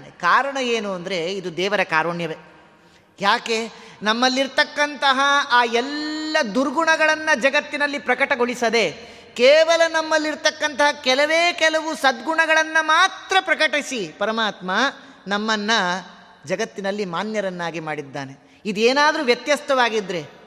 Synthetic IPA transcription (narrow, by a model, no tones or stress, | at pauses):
nekaːɾɐɳɐeːnuɐnd̪ɐɾe̞id̪ud̪ɛːʋɐɾɐkaːɾuɳjɐʋe | jaːke̞nɐmːɐlːiɾt̪ɐkːɐnt̪ɐɦɐaːɛlːɐd̪uɾɡuɳɐɡɐɭɐnːɐd͡ʒɐɡɐt̪ːinɐlːipɾɐkɐʈɐɡoɭisɐd̪e̞ | keːʋɐlɐnɐmːɐlːiɾt̪ɐkːɐnt̪ɐɦɐkɛlɐʋeːkɛlɐʋusɐd̪ɡuɳɐɡɐɭɐnːɐmaːt̪ɾɐpɾɐkɐʈisipɐɾɐmaːt̪mɐ | nɐmːɐnːɐ | d͡ʒɐɡɐt̪ːinɐlːimaːnjɐɾɐnːaːɡimaːɽid̪ːaːne | id̪eːnaːd̪ɐɾuʋjɐt̪jɐst̪ʰɐʋaːɡid̪ɾe̞